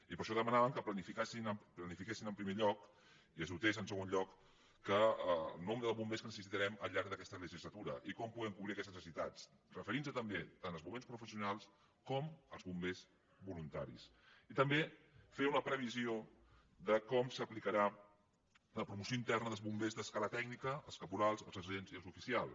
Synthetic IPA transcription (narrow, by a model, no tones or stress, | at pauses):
ipəɾʃɔðəmənaβəmkəplənifikasinəmplənifikesinəmpɾimeʎɔk | iəzβut̪ezənsəɣ̞onʎɔkː | əlˠnɔmd̪əðəlˠβumbeskənəsəsit̪əɾɛməʎaɾk̚d̪əkɛst̪ələʒizlət̪uɾəʔikɔmpuɣɛmkuβɾiəkɛst̪nəsəsit̪at͡s | rəfəɾinsət̪əmbet̪anəlˠzβumẽnspɾufəsiunalˠs | kɔməlˠzβumbez | bulunt̪aɾḭs | it̪əmbe | feunəpɾəβ̞izio | ðəkɔmsəplikəɾa | ləpɾumusioint̪ɛrnəðəlˠzβumbezðəskalət̪ɛɡnikəːlˠskəpuɾalˠzəlˠzəzenziəlˠzufisialˠ